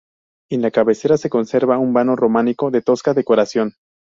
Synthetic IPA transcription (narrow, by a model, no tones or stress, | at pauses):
e̞nlakaβe̞se̞ɾase̞ko̞nse̞ɾβaumbano̞ro̞maniko̞ðe̞t̪o̞skaðe̞ko̞ɾasjo̞n